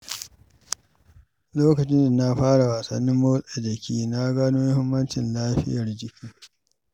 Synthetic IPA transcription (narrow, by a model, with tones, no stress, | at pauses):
loː˦kɐ˨t͡ʃɪ˦n˨na˦ɸaː˦ɽa˨waː˨sɐ˨nːɪ˦mːo˦sa˨d͡ʒɐ˨kʲiː˦na˦ɡaː˦noː˦jhɪ˦mːɐ˦nt͡ʃɪ˨nlaː˦ɸɪ˦jɐ˨rd͡ʒɪ˦kʲiː˦